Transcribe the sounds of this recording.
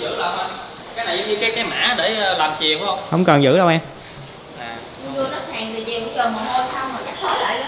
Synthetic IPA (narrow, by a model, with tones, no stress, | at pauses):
zɨ̰˧˥ɗə˧wʔa˧ | kaː˨˦jna˨˩jzə˨˦ŋ͡mɲɨ˧kaː˨˦jkaː˨˦jma̰ː˧˥ɗeː˧˩˧laː˨˩mt͡ɕi˨˩əwə˧wŋ͡mhə˧wŋ͡mkɔ˨˩nzɨ̰˧˥ɗə˧wʔaː˧m | aː˨˩ | ɲɨ˧lu˧ənɔ˨˦˥saː˧˨˩ŋt̪ʰi˨˩t͡ɕi˨˩kʊ̰˧˦t͡ɕoː˨˩mo˨˩t̚ho˧jt̪ʰa˧wŋ͡mhoː˨˩jt͡ɕa˦˥k̚t̪ʰoː˦˥jla̰ː˧˩j